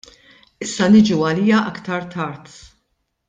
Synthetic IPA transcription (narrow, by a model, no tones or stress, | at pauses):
ɪsːɐnɪd͡ʒuɐliːjɐʔɐkt̪ɐɾt̪ʰɐɾt̪